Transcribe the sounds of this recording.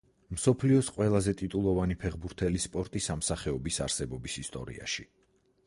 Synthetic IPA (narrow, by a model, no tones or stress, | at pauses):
msɔpʰliɔsqʼwɛlˠazɛt̪ʼit̪ʼulˠɔvanipʰɛʁbuɾt̪ʰɛlispʼɔɾt̪ʼisamsaχɛɔbisa̰ɾsɛbɔbisist̪ʼɔ̰ɾḭa̰ʃi